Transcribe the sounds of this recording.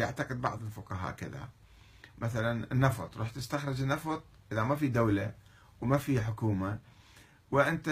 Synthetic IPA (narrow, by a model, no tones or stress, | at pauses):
jaʕt̪ɑqɨd̪̚bɑ̰ʕðˤɪlfʊqɑɦa̰ːʔkɪ̰ða̰ | mʔaθalanɪnːɑfɑ̰t̪ˤɾˤuːħt̪ɪst̪axɾˤɪd͡ʒɪnːɑfɑt̪ˤʔɪðamafid̪awla | wmafiħʊkuːma | wɪʔɪnt̪a